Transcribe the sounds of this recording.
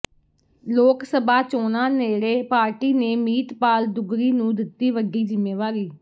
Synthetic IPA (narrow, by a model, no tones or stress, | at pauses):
loːksəbaːt͡ʃoːnãːneːɾeːpaːɾʈiːneːmiːt̪paːld̪ʊɡɾiːnũːd̪ɪt̪ːiːʋəɡiːd͡ʒɪmːeːʋaːɾiː